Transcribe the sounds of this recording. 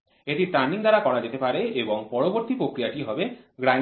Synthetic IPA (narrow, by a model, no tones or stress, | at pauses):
eʈiʈɾaniŋd̪aɾakɔɾad͡ʑet̪epaɾeeboŋpɔɾoboɾt̪ipɾokɾijaʈiɦɔbeɡɾa